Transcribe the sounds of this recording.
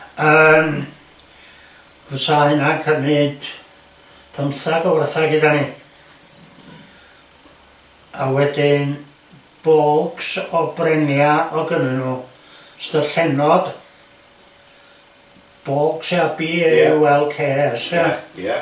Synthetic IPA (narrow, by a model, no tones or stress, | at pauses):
əm | husahɨnakʰərnɨːd̥ | tʰəmθaɡɔwərθaɡɪdani | awɛdɪn | b̥oːlˠksɔbrɛnjaɔɡənɨnu | stərɬɛnɔd̥ | b̥oːlˠksiabiwɛlˠkʰeːsɛ